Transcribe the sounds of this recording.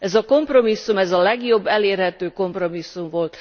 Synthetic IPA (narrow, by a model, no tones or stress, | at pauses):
ɛzɒko̞mpro̞misːumɛzɒlɛɡjo̞bːɛleːrhɛt̪øːko̞mpro̞misːumvo̞lt̪